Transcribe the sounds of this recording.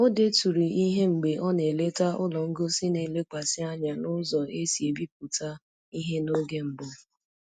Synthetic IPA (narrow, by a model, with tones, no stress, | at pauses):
o˦de˦tu˨ɾi˨i˦ɦe˦ŋ͡m̩˨ɡ͡be˨ʔɔ˦ne˨le˦ta˦ʊ˦lɔ˨ŋ̩˦ɡo˦si˦ne˨le˦k͡pa˨sɪ˦a˦ɲa˨nʊ˦zɔ˨e˦si˨e˨bi˦p̚u˨ta˦ | i˦ɦe˦no˦ɡe˦ŋ͡m̩˨bʊ˦